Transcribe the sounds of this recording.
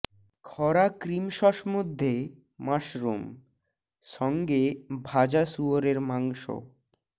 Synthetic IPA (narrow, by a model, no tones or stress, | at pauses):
kʰɔɾakɾimʃɔʃmod̪ʱːe | maʃɾom | ʃɔŋɡebʱad͡ʑasuoɾeɾmaŋʃo̰